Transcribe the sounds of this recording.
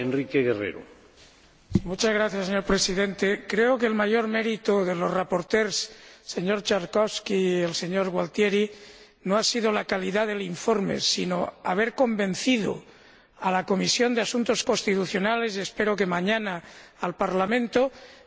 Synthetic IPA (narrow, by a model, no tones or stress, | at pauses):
enrikeɣerḛɾo̰ | simut͡ʃazɣɾaθjaseɲo̞ɾpɾesiðe̞nt̪e̞kɾeokeːlmaʝo̞ɾme̞ɾit̪oðelo̞srapo̞ɾt̪eɾsːe̞ɲo̞ɾt͡ʃaɾkoskielse̞ɲoɾɣwalt̪jeɾi | noasið̞olakaliðaðe̞liɱfo̞ɾmḛsḭnoaβ̞e̞ɾko̞mbẽ̞nθið̞o̰ | alako̞misjo̞nd̪easunt̪o̞sko̞st̪it̪uθjo̞nale̞sie̞spe̞ɾok̬e̞mãɲanaːlpaɾlamẽ̞nt̪o